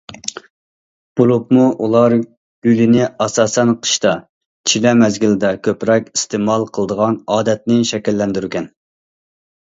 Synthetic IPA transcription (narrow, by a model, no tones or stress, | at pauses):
b̥uɾupmuʔulˠɑɾ | ɡʲylɪnɪɑsɑːsɛnqʰə̥ʃt̪ɑ | t͡ʃʰilɛmɛzɡʲilɪd̪ɛkʲʰøpɾɛkʲist̪emɑlˠqʰəlˠəd̪əʁɑnɑːd̪ɛt̪̚nɪʃɛkʲɛlːɛnd̪yɾkʲɛn